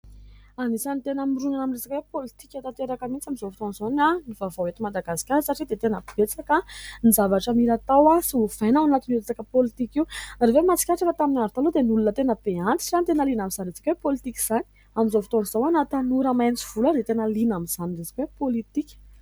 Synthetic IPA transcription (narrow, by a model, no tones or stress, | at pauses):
anisanit̪enəmiɾunanaminresakwepolit̪ikʲat̪at̪eɾakəmint͡samizovit̪onzonanivavoet̪imad̪aɡasi̥kʲaɾəsaʈ͡ʂid̪et̪enəpib̥et͡sakənizavaʈ͡ʂamiɾat̪awasiuv̥ajnawanat̪inuɾet͡sakəpolit̪ikiwnaɾevemat͡si̥kʲaʈ͡ʂakət̪aminaɾut̪alud̪enulunət̪enəpeant͡s̪i̥ʈ͡ʂant̪enəlinaminzanret͡sḁkʲwepolit̪ikʲi̥z̥ani̥ | amizofit̪onz̥owanat̪anuɾəmajnt͡siv̥ulaɾet̪enəlinamiz̥aniresḁkwepolit̪ikʲə̥